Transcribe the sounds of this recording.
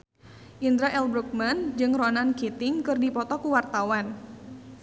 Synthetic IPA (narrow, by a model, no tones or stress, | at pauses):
ʔind̪ɾaʔɛlbɾuk̚mand͡ʒɨŋrɔnankit̪ɪŋkɨrdipɔt̪ɔkuwart̪awan